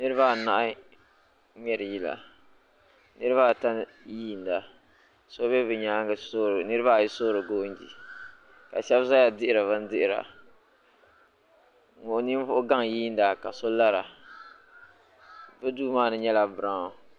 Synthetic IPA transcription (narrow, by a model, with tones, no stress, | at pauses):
nɨ˦ɾɨ˦βa˦˨na˨ʔa˦ | mɛ˨ɾɨ˨ji˦la̰˨ | nɨ˦ɾɨ˦βa˦˨ta˦n˦ | jiː˦˨n˨da˨ | so˦bɛ˦bɨ˨ɲaː˦ŋ˦so˦ɾnɨ˦ɾɨ˦βa˦˨jɪ˦soː˦ɾɨ˨ɡoː˦n˦d͡ʒḭ˨ | ka˨ʃɛ˦bza˦ja˨dɪ˦ʔɪ˨ɾa˨βɨ˦n˦dɪ˦ʔɪ˨ɾa̰˨ | ŋʊ˨˦ni˦m˦vʊ˦ʊ˦ɡa˦ŋjiː˦n˦da˨ka˨so˦la˦ɾa˨ | bɨ˦duː˦maː˦˨nɨ˦ɲɛ˦la˨bɨ˨ɾa˦o˨